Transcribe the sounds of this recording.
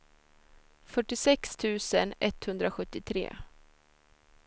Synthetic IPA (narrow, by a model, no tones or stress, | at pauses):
fœʈːɪsɛkst̪ʰʉ̟ːsənɛt̪hɵnd̪ɾaɧɵt̪ːɪt̪ʰɾḛː